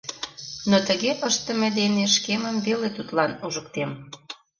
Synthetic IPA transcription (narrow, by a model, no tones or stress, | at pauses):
not̪əɣeʔəʃt̪ə̆med̪eneʃkeməmβelet̪ut̪lɑnuʒək̚t̪em